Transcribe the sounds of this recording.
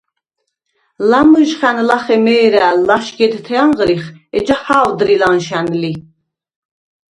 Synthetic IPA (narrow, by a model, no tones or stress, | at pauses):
lamɨʒχænlaχɛmɛːɾælaʃɡɛd̪t̪ʰɛɑɴʁɾiχɛd͡ʒahaːwd̪ɾilanʃænli